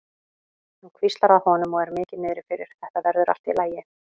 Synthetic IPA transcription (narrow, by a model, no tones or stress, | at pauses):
nukʰvist̪laɾawhɔːnʏmɔɣɛɾmɪːcɪðmɪːðɾɪ̥fɪɾɪɾ̥θɛht̪avɛɾðʏɾa̰l̥t̪ilaːjɪ